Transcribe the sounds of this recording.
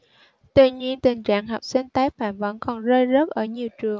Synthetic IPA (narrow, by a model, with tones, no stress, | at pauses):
t̪wḭ˧˩ɲi˧ənt̪ï˨˩ŋ̟t͡ɕa̰ː˧˨ŋɦa˨˩wk͡p̚si˧ŋ̟t̪aː˨˦jfaː˧˩mvə̰˧˥nkɔ˨˩nzəː˧jzə˦˥t̚ʔəː˧˩ɲi˨˩əwt͡ɕɨ˨˩əŋ